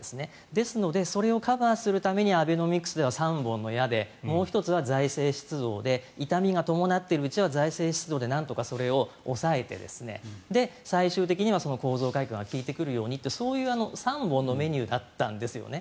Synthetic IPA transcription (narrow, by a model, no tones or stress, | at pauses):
esɨne̞ | d̪e̞sɨno̞d̪e̞so̞ɾe̞o̞kabaːsɨɾɯ̟t̪ame̞ɲ̟iabeno̞mʲikɯ̟̥sɨd̪e̞asãmbõ̞nːo̞jad̪e̞mo̞ːçi̥t̪o̞t͡sɨβ̞azaise̞ːɕi̥t͡sɨd̪o̞ːd̪e̞it̪amʲiɡat̪o̞mo̞nat̪ːe̞ɾɯ̟ɯt͡ɕiβazaise̞ːɕi̥t͡sɨd̪o̞ːd̪e̞nãnt̪o̞kaso̞ɾe̞o̞ːsae̞t̪e̞̰d̪e̞̰sɨne̞̰d̪e̞saiɕɨːt̪̬e̞kʲiɲ̟iβ̞aso̞no̞ko̞ːzo̞ːkaikɯ̃ŋɡakʲiːt̪e̞kɯ̟ɾɯ̟jo̞ːɲ̟it̪ːeso̞ːjɯ̟ːano̞sãmbõ̞nːo̞me̞ɲ̟ɨːd̪at̪ːã̰nd̪e̞sɨjo̞̰ne